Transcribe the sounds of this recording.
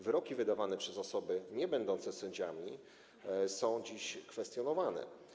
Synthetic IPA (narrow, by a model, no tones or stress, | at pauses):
vɘɾɔkʲivɘd̪avanɛpʂɛzɔsɔbɘɲɛbɛnd̪ɔnt̪sɛsɛɲd͡ʑamʲi | sɔ̃w̃d͡ʑiɕkfɛst̪ʲjɔnɔvanɛ̰